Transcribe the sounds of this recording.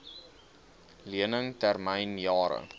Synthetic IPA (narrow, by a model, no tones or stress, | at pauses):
liənəŋtærmɛjnjɑːɾə̰